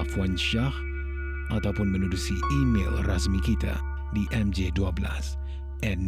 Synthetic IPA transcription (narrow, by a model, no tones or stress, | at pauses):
fwanʃah | ʔat̪awpʊnmənudusiimḛlrasmikit̪a̰ | diʔɛmd͡ʒeduabəla̰s | ʔɛn